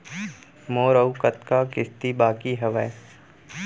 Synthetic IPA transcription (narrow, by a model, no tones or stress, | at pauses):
moːɾəukət̪kakɪst̪ibaːkiɦɐʋɛe